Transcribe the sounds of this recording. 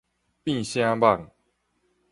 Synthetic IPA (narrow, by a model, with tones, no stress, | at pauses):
pĩ˥˨ɕjã˦ba˥˨ŋ